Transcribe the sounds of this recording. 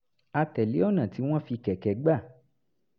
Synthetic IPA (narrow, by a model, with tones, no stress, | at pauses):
a˧tɛ˨le˨˦ɔ˦˨nã˨ti˨˦w̃ɔ̃˦fi˧kɛ˨kɛ˨ɡ͡ba˦˨